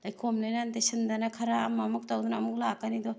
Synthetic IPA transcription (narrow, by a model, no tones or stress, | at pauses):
ajkʰomlajnant̪esɯnd̪anakʰɐɾaːmamuk̚tawd̪unaːmuk̚lakanid̪ɔ